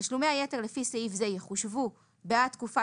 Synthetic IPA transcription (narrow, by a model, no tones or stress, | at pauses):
ʃlumeajete̞ʁlefiseifzejeχuʃvu | beat̪kufa